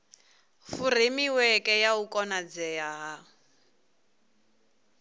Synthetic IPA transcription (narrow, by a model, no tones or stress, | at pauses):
furemiwɛkʼɛjaukʼɔnad͡zɛjaɦa